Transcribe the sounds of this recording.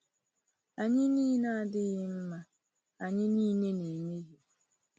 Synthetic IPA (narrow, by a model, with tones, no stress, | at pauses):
a˨ɲɪ˦niː˦na˦a˨dɪ˦ɣɪ˦m̩˦ma˦ | a˨ɲɪ˦niː˦ne˦ne˨me˦ɣi˦